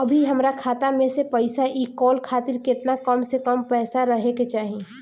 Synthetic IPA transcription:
ɐbʱiɦɐmɾakʰaːt̪amẽsepɐɪsaʔiːkɔːlkʰaːt̪ɪɾkɪt̪nakəmsekəmpɛːsaɾɐɦeket͡ʃaːɦi

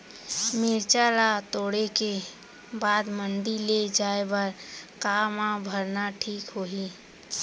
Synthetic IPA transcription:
mɪɾt͡ʃaɾat̪oːɽeke | baːd̪mənɖiled͡ʒaːebəɾkaːmãbʱəɾnaʈʰiːkɦoːɦiː

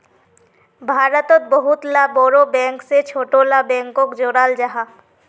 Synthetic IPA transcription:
bʱaːɾət̪ot̪̚boɦut̪labɔɾobɛŋkset͡ʃʰoʈolabɛ̃ŋkokd͡ʒoɽald͡ʒaɦa

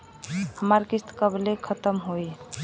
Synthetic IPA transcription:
həmaɾkist̪kəblekʰət̪əmɦoj

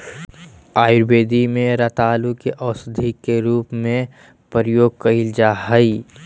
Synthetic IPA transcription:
aːjʊɾbeːd̪imẽɾat̪aːlukeʔɔːsʊd̪ʱikːeɾuːpmẽ | pəɾjoːɡ̚kɐild͡ʒaɦɐi

